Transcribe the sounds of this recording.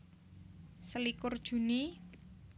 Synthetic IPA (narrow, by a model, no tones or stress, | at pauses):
səlikʊrd̥ʒ̥ṳni